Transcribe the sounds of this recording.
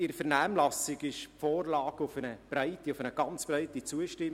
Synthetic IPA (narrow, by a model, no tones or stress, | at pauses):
ɪɾfəɾnæːmlɑsɪɡɪʃpfoːrlɑːɡʊfənəb̥raɪtiʊfənəɡ̥ɑnt͡sb̥raɪtit͡suəʃtɪm